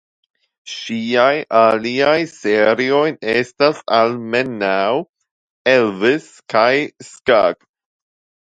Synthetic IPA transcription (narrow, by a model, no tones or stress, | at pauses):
ʃiajaliajseɾio̞jnestasalmenaw | elvis | kʰajskaɡ